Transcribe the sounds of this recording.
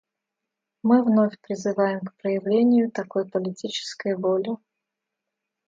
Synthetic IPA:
mɨvnofʲpɾʲɪzɨvajɪmkpɾəjɪvlʲenʲɪjʊt̪akojpəlʲɪtʲit͡ɕɪ̥skəjvolʲɪ

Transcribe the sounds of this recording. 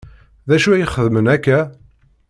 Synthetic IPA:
ðæʃuæjəχəðmənækːæ

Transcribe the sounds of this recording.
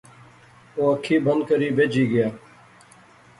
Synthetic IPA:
oːəkʰːiːbʱənd̪̚kəɾiːbed͡ʒiːɡəjaː

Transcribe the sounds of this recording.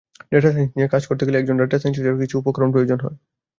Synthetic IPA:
ɖeʈasenniekad͡ʑkoɾt̪ekeleɛk̚d͡ʑonɖeʈasens̬id͡ʑeɾkit͡ɕʰuupokɾonp̬ɾojod͡ʑonɦɔe

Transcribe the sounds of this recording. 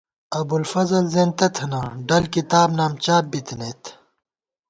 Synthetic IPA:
ɐbulfɐzɐlzẽːnt̪ɐt̪ʰɐnɐɖɐlkit̪aːbnaːmt͡ɕaːbbit̪neːt̪ʰ

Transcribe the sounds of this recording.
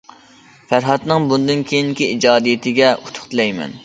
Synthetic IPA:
fæɾɦɑt̪nɨŋbund̪ɨnkʲʰejiŋkʲiid͡ʒɑːd̪ijɪt̪ʰɪɡʲɛut̪ʰʊ̥χt̪ʰɨlɛjmɛ̰n

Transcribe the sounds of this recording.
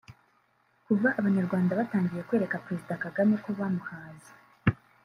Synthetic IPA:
kuvaʔːβaɲaɾɡwaːndaβataːŋɡije̞kwe̞ːɾe̞kapɾe̞zidakaɡameko̞βamuhaːza

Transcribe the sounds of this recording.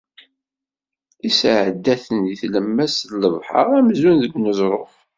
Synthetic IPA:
isʕəd̪ːæθənjiθləmːæsləvħɑ̰ʁæmzunðəɡnəzˤɾˤof

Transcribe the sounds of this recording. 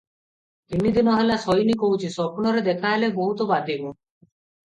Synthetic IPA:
inid̪inɔɦelasɔjnikoɦwt͡ʃʰisɔpunɔɾed̪ekʰaɦeleboɦut̪obad̪ʱibo

